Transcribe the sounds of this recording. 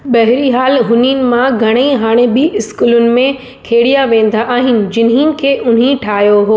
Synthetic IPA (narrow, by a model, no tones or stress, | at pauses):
ɓɐɦɪɾiɦaːlɦʊninɪ̆mãɡʱɐɽ̃eiɦaːɽ̃ebɪɪskuːlʊnɪ̆mẽ | kʰeːɽijaʋẽːn̆d̪aʔːɦɪnɪ̆d͡ʑɪnɦinɪ̆kʰeːʔʊn̤ɦĩʈʰaːɦjoɦoː